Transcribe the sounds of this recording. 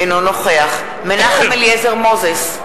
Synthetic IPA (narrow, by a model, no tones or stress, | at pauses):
enonoχeaχ | menaχemeljezeʁmozes